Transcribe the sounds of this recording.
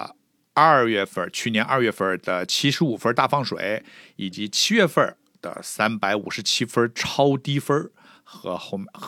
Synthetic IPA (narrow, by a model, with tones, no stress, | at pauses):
ɐ˥˧˩ɥɛ˥˩fə˥˧˩t͡ɕʰy˥˩njɛ˧˥nʔɐ˞˥˧ɥɛ˥˩fə˥˩d̪ə˩t͡ɕʰi˥ʂɻ̩˧˥u˨˩fə˥t̪a˥˩fɑ˥˩ŋʂwḛ˨˩˦ɪi˨˩t͡ɕi˧˥t͡ɕʰi˥ɥɛ˥˧fə˥˩ | d̪̥ə̰˩sa˥npa˧˥ɪṵ˨˩ʂɻ̩˧˥t͡ɕʰi˥fə˥ʈ͡ʂʰɑ˥ʊt̪i˥fə˥ | xɤ˧˥˩